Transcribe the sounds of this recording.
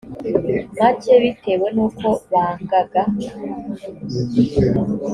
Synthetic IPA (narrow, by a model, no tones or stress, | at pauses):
maceβitewenuːkoβaŋɡaɡa